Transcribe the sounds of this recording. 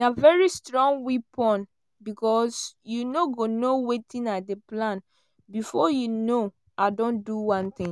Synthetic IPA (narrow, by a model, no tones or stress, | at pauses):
avɛɹistɹɔ̃ŋwipɔ̃n | bikɔsjunoɡonowetʰĩnadeplãn | bifɔjuno | ʔadɔ̃nduwãnt̪ĩŋ